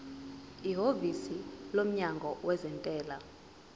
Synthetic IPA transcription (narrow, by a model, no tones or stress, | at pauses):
iɦovisilom̩ɲaŋɡʱɔwɛzɛntʼɛːla